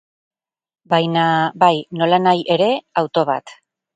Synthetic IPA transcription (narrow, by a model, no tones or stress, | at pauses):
bajnabajno̞lanajʔe̞ɾe̞awt̪o̞β̞a̰t̪